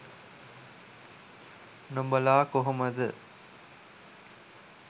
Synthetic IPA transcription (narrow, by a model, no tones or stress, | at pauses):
nombɐlaːkoɦɐmɐd̪ɨ